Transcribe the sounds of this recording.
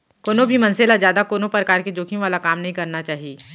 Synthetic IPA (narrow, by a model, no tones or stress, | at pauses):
koːnobʱimɐ̃nselazjaːd̪akoːnopɾəkaːɾked͡ʒoːkʰiʋaːlakaːmnɐɦĩkɐɾnat͡ʃaːɦieː